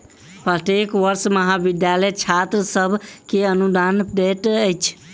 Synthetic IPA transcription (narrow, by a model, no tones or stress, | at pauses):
pəʈekʋəɾsməɦabid̪jaləjt͡ʃʰat̪ɾəsəbʱkeənud̪anbeʈəjt͡ʃʰ